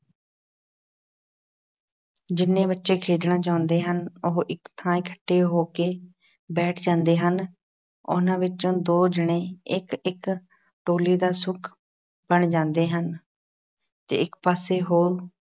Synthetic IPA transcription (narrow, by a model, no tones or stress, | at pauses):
d͡ʒɪnːẽːbətːʃeːkʰeːd͡ʒɳãːt͡ʃaːʊ̃nd̪eːɦənʊɦʔɪkt̪ʰãːikʰə̥ʈːeːɦoːkeː | bɛːʈʰd͡ʒãːnd̪eːɦən | ʊ̰nãːʋɪt͡ʃõːd̪oːd͡ʒɪɽ̃ẽːɪkɪk | ʈoːliːd̪aːsʊkʰ | bəɳd͡ʒãːnd̪eːɦən | t̪ḛːɪkpaːseːɦoːl